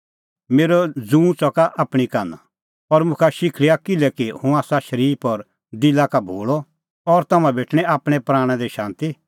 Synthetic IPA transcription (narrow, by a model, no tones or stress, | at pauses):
meːɾɔd͡zũːt͡sɔkaʔaːpɽ̃ikaːna̰ | ɔɾmʊ̃kʰaʃɪkʰɭijakɪlɛkihũaːsaʃɐɾiːpɔɾ | d̪ɪlakabʱoːɭɔ | ɔɾt̪ɐmãbʱeːʈʰɽ̃ɛaːpɽ̃ɛ̃pɾaːɽ̃ɛ̃d̪ɛʃãːnt̪i